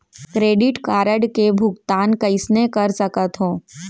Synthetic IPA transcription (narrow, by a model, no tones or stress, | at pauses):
kɾeːɖɪʈkaːɾəɽkebʱʊɡt̪aːnkɐɪsnekɐɾsɐkət̪ɦõː